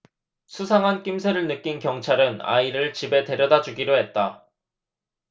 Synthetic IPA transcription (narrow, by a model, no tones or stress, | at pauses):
sʰusʰaŋɦank͈ims̬ʰeɾɯɭnɯk͈inkjʌŋt͡ɕʰaɾɯna̰iɾɯɭt͡ɕibe̞te̞ɾjʌdad͡ʑuɡiɾoɦe̞t̚t͈a